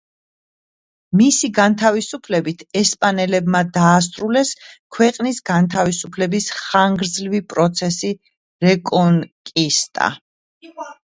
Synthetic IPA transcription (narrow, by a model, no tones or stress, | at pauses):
misiɡant̪ʰavisupʰlɛbit̪ʰɛspʼanɛlɛbmad̪aːs̬t̪ʼɾulɛskʰwɛqʼnisɡant̪ʰavisupʰlɛbisχaŋɡɾd̪zlvipʼɾɔt̪sʰɛsi | ɾɛkʼɔŋkʼist̪ʼa̰